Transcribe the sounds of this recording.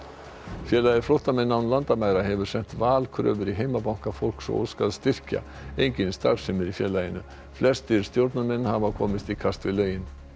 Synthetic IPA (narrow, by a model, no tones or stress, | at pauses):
fjɛːlajɪɾflɔht̪amɛnːanlant̪amajɾaɦɛvʏɾ̥sɛn̥t̪vaːlkʰɾœ̰ːvʏɾiɦejmapawŋ̥kafol̥ksɔ̰o̰ːɾskalst̪ɪr̥ca̰ | ejɲcɪnst̪a̰ɾsɛmɛɾifjɛːlajɪnʏ | flɛst̪ɪɾ̥st̪jowɾt̪namɛnːhaːvakʰɔːmɪst̪ikʰast̪vɪlœɥjɪn